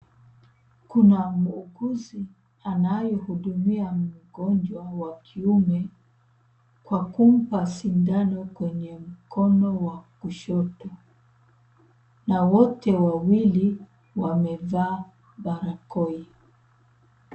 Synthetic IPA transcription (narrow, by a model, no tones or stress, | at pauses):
kunamuuɡuzi | anajɔhuɗumiam̩ɡɔnd͡ʒwawakʰiumɛ | kwakum̩pasindanɔkwɛɲɛm̩kʰɔnɔwakuʃɔtɔ | nawɔtɛwawili | wamɛvaː | baɾakɔi